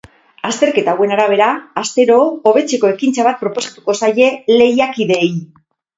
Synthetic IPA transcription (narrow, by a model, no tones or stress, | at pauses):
ast̪e̞ɾke̞t̪aːwe̞naɾaβ̞e̞ɾaast̪e̞ɾo̞ːβe̞t͡se̞ko̞e̞kint͡saβat̪̚pɾo̞po̞sḁt̪uko̞saje̞le̞jakiðe̞j